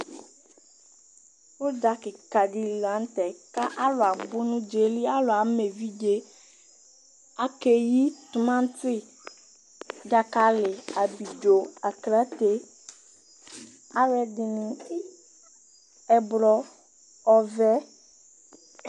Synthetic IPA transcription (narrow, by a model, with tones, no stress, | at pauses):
wo˦da˨kɪ˨ka˨ɖi˦lla˨˦n˦t̪ɛ˨ka˦ʔa˦lo˨a˨bo˦nũ˦d͡ʒe˨˦li˦a˦lo˨a˨me˨vi˦d͡ʒe˦ | a˨ke˨ji˦t̪u˨mã˦n˦t̪i˦ | da˨ka˨lɪ˨a˨bi˨d͡ʒo˨a˨kla˦t̪e˦ | a˨wɛ˨dɪ˨nũ˨i˦ | ɛ˨blɔ˨ | ɔ˨vɛ˦